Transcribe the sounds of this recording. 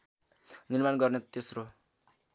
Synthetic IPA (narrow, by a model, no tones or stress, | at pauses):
nirmanɡʌrnet̪esro